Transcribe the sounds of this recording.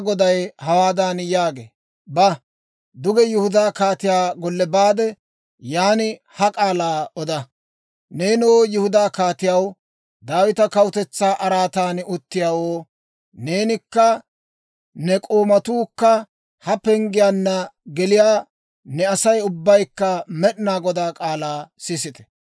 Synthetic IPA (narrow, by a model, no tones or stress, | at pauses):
ɡɔd̪ɐjhɐwaːd̪aːnjaːɡḛː | bɐ | d̪ʊɡɛjʊhʊd̪aːkaːt̪ɪjaːɡɔlːɛbaːd̪ɛ | jaːnɪ | hɐkʼaːlaːɔd̪ɐ | ne̞ːnoːjʊhʊd̪aːkaːt̪ɪjɐw | d̪aːwɪt̪ɐkɐwʊt̪ɛt͡sːaːʔɐɾaːt̪aːnʊt̪ːɪjaːwoː | ne̞ːnɪkːɐ | nɛkʼoːmɐt̪uːkːɐ | hɐpɛŋɡɪjaːnːɐɡɛlɪjaː | nɛɐsɐjʊbːɐjkːɐmɛɗnaːɡɔd̪aːkʼaːlaːsɪsɪt̪ɛ̥